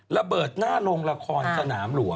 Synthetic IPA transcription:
la˧bɤː˨˩t̪̚naː˥˩lo˧ŋla˧kʰɔː˧nsa˧naː˩˦mlu˩˦əŋ

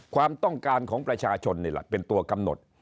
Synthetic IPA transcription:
kʰwaː˧mt̪ɔ˥˩ŋkaː˧nkʰɔː˩˦ŋpɾa˧t͡ɕʰaː˧t͡ɕʰo˧nːi˥˩lɛ̰˨˩pe˧nt̪u˧ɐka˧mno̰˨˩t̪̚

